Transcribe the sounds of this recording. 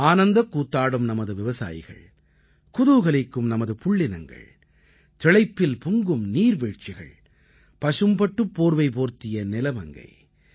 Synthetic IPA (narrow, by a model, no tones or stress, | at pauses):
aːnɐnd̪ɐkːuːt̪ːaːɽɯmnɐmɐðɯʋɪʋɐsa̰ːjɪ̰ɣɐ̰ɭ | kʊðɯɣɐɭɪkːɯmnɐmɐðɯpʊɭːɪnɐŋɡɐ̰ɭ | t̪ɪɭɐɪpːɪlpʊŋɡɯmniːɾʋeːʈ̚t͡ʃːɪɣɐ̰ɭ | pɐʂɯmbɐʈːɯpːoːɾʋɐɪpoːɾt̪ɪjɐnɪlɐmɐŋɡɐ̰ɪ